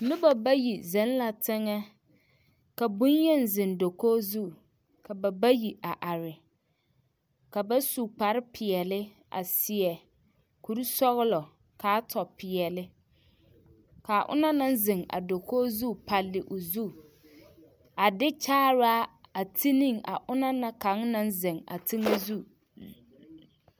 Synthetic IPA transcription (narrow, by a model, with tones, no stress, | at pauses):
lɪ˦ba˨ba˦ji˨zɛ˨˦n˦la˨tʰɪ˦ŋɛ˦ | ka˨bʊ̃˦n˦jɛ˦˨n˨zɪ̃˨ndo˨koː˦zu˦˨ | ka˨ba˨ba˦ji˨a˨ʔa˨ɾɪ˨ | ka˨ba˦su˨k͡pa˨ɾɪ˦pʰɪ˨ɛ˨lɪ˦ | a̰˨sɪ˨ɛ˨ | ku˨ɾi˦sɔ˦ɣɪ˦lɔ˨ | kaː˦tʰɔ˨pɪ˨ɛ˨lɪ˦ | ka˨a˨ʔʊ̰˦na˦na˦nzɪ˨ŋa̰˨do˨koː˦zu˦˨pa˨lːɪ˨ʔʊ˨zu˦ | a˨dɪ˦t͡ʃaː˦ɾa˦a˨tʰi˦ni˦ŋa̰˨ʔʊ˦na˦na˦ka˨˦ŋnã˦n˦zɪ˨ŋa̰˨tʰi˦ŋa˦zu˦˨